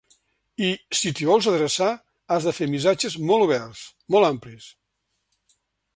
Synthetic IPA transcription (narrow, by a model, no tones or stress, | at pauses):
isit̪iβɔlˠzəðɾəsa | azðəfemisad͡ʒəzmɔlˠuβɛrs | mɔlˠamplis